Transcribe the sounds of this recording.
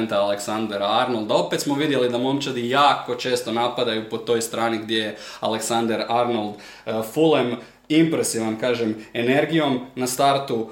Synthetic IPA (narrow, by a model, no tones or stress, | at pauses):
nt̪aːleksand̪eɾaaɾnolˠd̪ao̞pet̪smoʋid̪je̞lid̪amomt͡ʃad̪ijaːko̞t͡ʃe̞ːst̪o̞napad̪ajupo̞t̪o̞jst̪ɾaːniɡd̪jejealeksand̪eɾaɾnolˠd̪ | fulem | impɾesiʋankaːʒeme̞ne̞ɾɡijo̞mnast̪aɾt̪u